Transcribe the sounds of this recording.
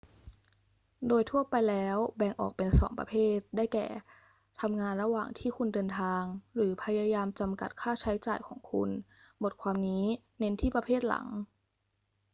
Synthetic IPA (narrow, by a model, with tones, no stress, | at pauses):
doː˧jt̪ʰu˥˩ɐpa˧jlɛː˦˥wbɛː˧ŋʔɔ̰ː˨˩k̚pe˧nsɔ̰ː˩˦ŋpɾa˧pʰeː˥˩t̪̚daː˥˩jkɛ̰ː˨˩ | t̪ʰa˧mŋaː˧nɾa˧waː˨˩ŋt̪ʰiː˥˩kʰu˧ndɤː˧nt̪ʰaː˧ŋɾɯː˩˦pʰa˧jaː˧jaː˧mt͡ɕa˧mka̰˨˩t̪̚kʰaː˥˩t͡ɕʰa˦˥jt͡ɕaː˨˩jkʰɔ̰ː˩˦ŋkʰṵ˧n | bo˨˩t̪̚kʰwaː˧mniː˦˥ | ne˦˥nt̪ʰiː˥˩pɾa˧pʰeː˥˩t̪̚la̰˩˦ŋ